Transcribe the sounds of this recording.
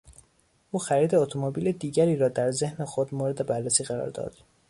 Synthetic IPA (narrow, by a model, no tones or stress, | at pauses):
ʔuːxæɾiːd̪e̞ot̪ʰomobiːled̪iːɟæɾiːɾɒːd̪æɾze̞hnexod̪moːɾe̞d̪e̞bærːesiːɣæɾɒ̰ːɾd̪ɒ̰ːd̪̥